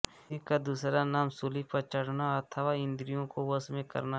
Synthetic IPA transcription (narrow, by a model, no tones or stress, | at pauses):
ikad̪uːsɾanaːmsʊlipɐɾt͡ʃəɽ̤naɐt̪ʰəʋaːɪ̃nd̪ɾijõkoʋɐsmẽkɐ̰ɾna